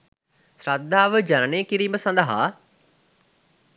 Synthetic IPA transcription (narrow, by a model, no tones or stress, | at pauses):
sɾat̪̚d̪aːʋəd͡ʒannẽːkɪɾiːməsãnd̪aːɦa̰ː